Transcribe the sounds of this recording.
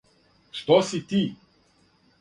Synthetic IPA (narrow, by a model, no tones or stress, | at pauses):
ʃt̪ɔsit̪i